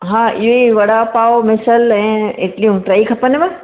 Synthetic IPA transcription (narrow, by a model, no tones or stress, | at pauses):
ɦãːʔɪjoiʋɐɽapaːomɪsəlɛ̃ːeʈlijũʈɾaːikʰɐpənemẽ